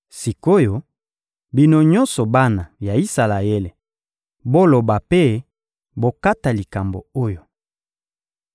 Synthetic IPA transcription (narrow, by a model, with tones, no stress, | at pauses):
si˨ko˦jo˨ | bi˦no˦ɲɔ̃˦nsɔ˨ba˦na˨ja˨i˦sa˨la˨je˦le˨ | bo˦lo˨ba˨pe˦ | bo˨ka˦ta˨li˨ka˨mbo̰˨o˦jo˨